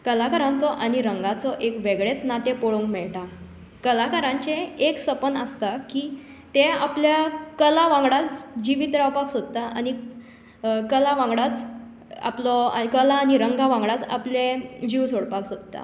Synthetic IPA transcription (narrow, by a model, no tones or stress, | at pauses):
kəlakaɾãnt͡sɔʔaɽ̃iɾəŋɡat͡sɔʔekʋeɡɭet͡snat̪epoɭoŋkmɛɭʈa | kəlakaɾãɲt͡ɕeeksəpənəst̪akiː | t̪ẽapljakəlaʋãŋɡɽat͡sd͡ʑiʋit̪ɾawpaksod̪̚t̪aʔani | kəlaʋãŋɡɽat͡s | a̰plɔa̰kəlaːniɾəŋɡaʋãŋɡɽat͡sa̰plẽd͡ʑiwsoɽpaksod̪̚t̪a̰